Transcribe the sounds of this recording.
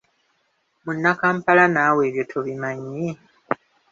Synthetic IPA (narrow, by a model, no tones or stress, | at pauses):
munːakaːmpalanaːwe̞ːβjotʰoβimaɲːi